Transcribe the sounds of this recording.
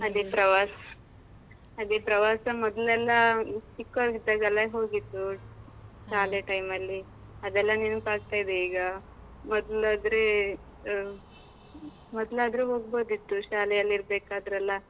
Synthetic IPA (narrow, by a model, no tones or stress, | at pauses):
ɐd̪ipɾɐʋas | ɐd̪ipɾɐʋasɐmɔd̪lɛlːasikːaɡid̪aɡɐlajɦoːɡit̪ːu | ʃaːleʈɐjmɐlːi | ɐd̪ɛlːaninupaːɡ̚t̪ajid̪eiːɡa | mɔd̪lad̪ɾe | mɔd̪lɐd̪ɾeɦoːɡbod̪it̪ːuʃaːlejɐlːiɾbekaːd̪ɾɐlːa